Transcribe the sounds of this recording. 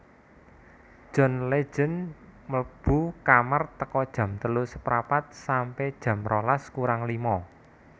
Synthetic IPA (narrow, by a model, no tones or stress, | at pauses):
ʒ̥ɔ̤nle̥ʒ̥ə̤nməb̥ukamart̪əkɔd̥ʒ̥ä̤mt̪əlusəpɾapat̪̚sampɛd̥ʒ̥ä̤mrʔɔlaskuɾaŋlimɔ